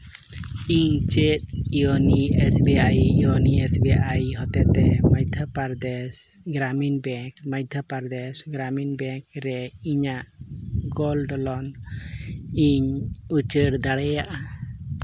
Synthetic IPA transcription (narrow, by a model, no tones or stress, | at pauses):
iɲt͡ʃɛt̪̚iɔniɛsbɛajiɔniɛsbɛʔajɦɔt̪ɛt̪ɛmajt̪ʰapaɾd̪ɛsɡɾaminbɛkmajt̪ʰapaɾd̪ɛsɡɾaminbɛŋkɾɛiɲaʔɡɔlɖɔlɔn | iɲut͡ʃəɽd̪aɽɛjaʔa